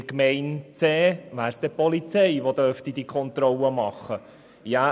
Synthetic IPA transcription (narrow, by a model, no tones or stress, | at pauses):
kmɛɪnt͡seːʋæːɾsd̥̪ɛpɔlit͡sɛɪʋod̪œɾftidikʰɔnt̪ɾɔlːəmɑχːə | jæ